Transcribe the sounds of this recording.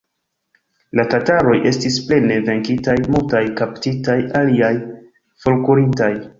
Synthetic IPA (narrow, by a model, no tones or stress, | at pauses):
latataɾo̞jʔe̞stisple̞ne̞ve̞ŋkitajmultajkaptitajaliaj | fo̞lkuɾintaj